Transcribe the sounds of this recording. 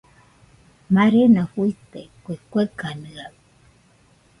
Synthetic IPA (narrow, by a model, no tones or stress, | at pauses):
maɾenaɸuit̪ekʷekʷekanɨa